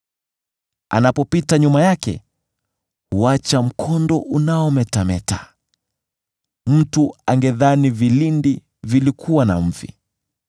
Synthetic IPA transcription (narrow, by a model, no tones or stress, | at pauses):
a̰napɔpitaɲumajakɛ̰ | huat͡ʃam̩kʰɔndɔʔunaɔmɛtamɛta | m̩tuaŋɡɛðanivilindi | vilikʰuwanam̩vḭ